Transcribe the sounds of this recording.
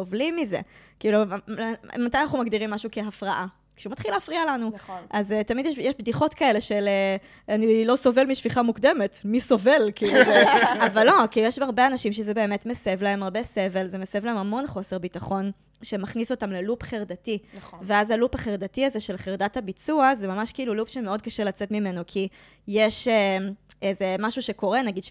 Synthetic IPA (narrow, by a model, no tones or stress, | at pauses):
ovlimːize̞̰kiːlu | mat̪ajanaχumaɡdiʁimːaʃuke̞ɦafʁaʔa | ʃeumat̪χilaːfʁialanuʔazetamidjeʃjeʃbdiχo̞tkae̞le̞ʃele | anilo̞so̞ve̞lmiʃviχamukde̞me̞tmiso̞ve̞lkiːluavalːo̞kijeʃaʁbeanaʃimʃezebe̞eːmetmesevlae̞maʁbe̞se̞velzemesaevlaemamo̞nχo̞seʁbitaχo̞n | ʃemaχniso̞tamlelupχeʁd̪ativeazalupaχeʁd̪atiazeʃe̞lχeʁdathabit͡suazemamaʃkiiːlulupʃemeo̞d̚kaʃelat͡setmime̞nokʰi | jeʃeeze̞maʃuʃeko̞ʁenaɡid̪